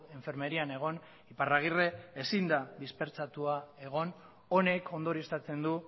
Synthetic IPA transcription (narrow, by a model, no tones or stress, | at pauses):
e̞ɱfe̞ɾme̞ɾiane̞ɣ̞o̞n | iparaɣ̞ire̞ːsind̪ad̪ispe̞ɾt͡sat̪uae̞ɣ̞o̞n | o̞ne̞kʰo̞nd̪o̞ɾiest̪at͡se̞nd̪u